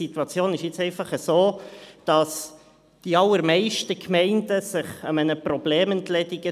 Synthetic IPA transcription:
it̪wɑt͡sjoːnɪʃjɪt͡sɛɪfɑχəsoːd̥ɑs | d̥iɑlːəɾmɛɪʃtəkʰmɛɪndəsɪχəmɛnəpɾɔbleːmənt̪lɛdɪɡə

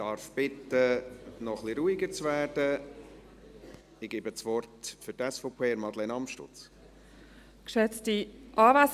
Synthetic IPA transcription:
d̥ɑɾfb̥ɪtənɔχliɾuːiɡəɾt͡svæːrd̥ə | ɪɡ̥eːbət͡svɔrtfʏɾtɛsfopʰeːɪɾmɑdlenɑmʃtʊ̰t͡s | kʃɛt͡stiʔɑːvæs

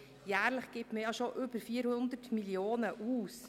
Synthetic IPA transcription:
jæːɾləχɡ̥ɪpməjɑʃoʔʏb̥əɾfiːəɾhʊnd̪ətmiljoːnəʔuːs

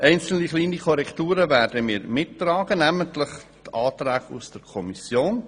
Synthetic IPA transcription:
ʔɛɪnt͡sl̩niχliːnikʰɔɾɛktuːɾəvæːɾdəmiːɾmɪtːrɑːɡ̥ənæmənt̪lɪχt̪ɑːt̪ɾæːɡṵsd̥əɾkʰɔmisjoːn

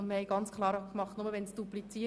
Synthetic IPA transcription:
nməhɛɪɡɑnt͡skχlˠɑːɾɑkmɑχtnʊməʋɛnsd̥uplit͡siː

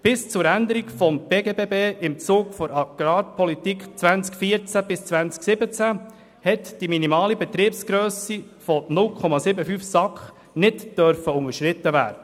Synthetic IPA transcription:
b̥ɪst͡sʊɾænd̪əɾikfɔmb̥eːɡebeːbeːʔɪmt͡suːɡfɔɾɑɡ̥ɾɑːpʰɔlit̪ikχt͡sʋænt͡skfiːəɾt͡sæb̥ɪst͡svænt͡sksɪbət͡sæ | hɛt̪d̥iminimɑːlibɛt̪ɾiːpsɡ̥ɾœːsifɔnʊlkʰɔmɑsɪbəfyːfsɑkχ | nɪtd̥œɾfəʊŋəʃɾɪt̪ːəʋæ̰ːɾdə

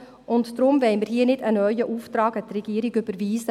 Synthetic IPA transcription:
ʊntd̪̥ɾʊmvɛɪməɾhiːənɪdənœʏəʔuːft̪ɾɑːɡət̪rɛɡ̥iəɾɪɡʏb̥əɾviːsə

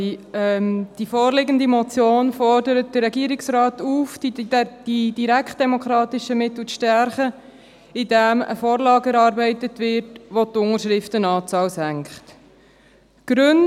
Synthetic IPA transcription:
ɛmd̥ifɔːrlɪɡəndimɔt͡sjoːnfɔrdəɾət̚d̥əɾɛɡiːəɾɪksɾɑːt̪uːfdid̥id̥iɾækχt̚d̥ɛmokʰɾɑːtɪʃəmɪt̪l̩ʃtɛɾχə | idæmə̰fɔːɾlɑːɡɛɾɑːɾbɛɪtətʋɪɾtʋot̪ʊŋəɾʃɾɪftənɑːt͡sɑːwsæŋkχt | ɡ̥ɾʉn

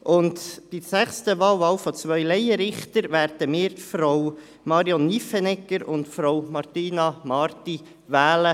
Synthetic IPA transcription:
ʔʊntb̥isæχstəʋɑːwʋɑːwfɔt͡sʋœʏlɛjəɾɪχt̪əɾʋæːɾdəmɪːɾtfɾɔw | mɑːɾiɔnːifɛnɛkːəɾʊ̰ntfɾɔwmɑɾt̪iːnɑmɑɾt̪i | ʋæːlə

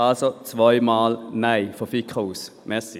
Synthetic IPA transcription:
ɑlsɔt̪ʰʋɔʏmɑːlnæɪfɔfikʰʁɑs | mɛsɪ

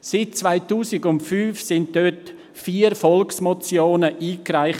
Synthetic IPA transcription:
sɪt̚t͡svaɪtuːsɪɡʊntfyːfsɪnt̚d̥øt | fiːəɾfɔlksmɔt͡sjoːnəʔiːkɾaɪχ

